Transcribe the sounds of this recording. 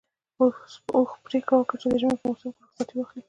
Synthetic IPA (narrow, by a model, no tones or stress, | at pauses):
oxpɾekawəkəɾt͡ʃed̪əʒmepəmosanpasɑt̪iwəxli